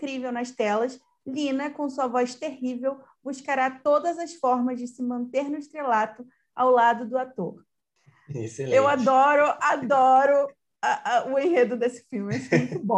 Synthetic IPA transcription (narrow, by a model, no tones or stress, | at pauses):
kɾivewnɐst̪ɛlɐs | lĩnɐkõw̃suɐvɔjst̪eɦivew | buʃkaɾat̪od̪ɐzɐsfɔɾmɐzd͡ʒɪsɪmɐ̃nt̪eɾnʊɪʃt̪ɾelat̪ʊ | awlad̪ʊd̪ʊat̪oχ | eselewad̪ɔɾʊad̪ɔɾʊ | ɐʔʊẽɦed̪ʊd̪esɪ̥fiwmɪɛsfĩkbõ